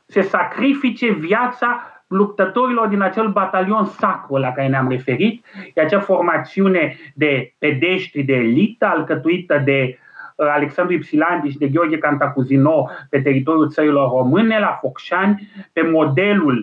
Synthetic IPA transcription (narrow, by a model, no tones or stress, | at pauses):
sesakɾifit͡ʃevjat̪sa | lup̚t̪ət̪oɾilord̪inat͡ʃelbat̪alionsakɾolakaɾeneamrefeɾit̪̚ʃeat͡ʃeaformat̪siuned̪eped̪eʃt̪ɾid̪eːlit̪əalkət̪uit̪əd̪e | aleksand̪ɾipsiland̪iʃd̪eɡʲjorɡʲekant̪akuzinopet̪̬erit̪oɾjult̪səɾilo̞rːomɨnelafokʃanʲpemod̪elul